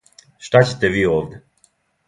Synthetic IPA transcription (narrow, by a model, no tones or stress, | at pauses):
ʃt̪at͡ɕet̪ɛviovd̪ɛ